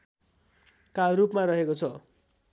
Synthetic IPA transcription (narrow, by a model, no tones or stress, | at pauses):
kaɾupmaɾʌɦekot͡sʰʌ